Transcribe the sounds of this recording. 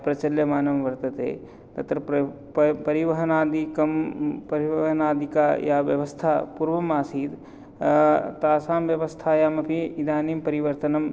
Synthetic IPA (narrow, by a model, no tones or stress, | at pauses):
pɾɐt͡ʃɐljɐmaːnɐmʋɐɾt̪ɐt̪ḛː | t̪ɐt̪ɾɐ | ppɐɾiʋɐɦɐnaːd̪ikɐmpɐɾiʋɐɦɐnaːd̪ʱikajaːʋjɐ̰ʋɐst̪ʰapuɾʋɐmaːsiːd̪ | t̪aːsaːmʋjɐʋɐst̪ʰajaːmɐpʰiid̪aːnimpɐɾiʋɐɾt̪ɐnɐm